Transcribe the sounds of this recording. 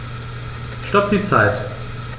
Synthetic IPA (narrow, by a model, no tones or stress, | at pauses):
ʃtɔp̚d̥iːt͡saɪt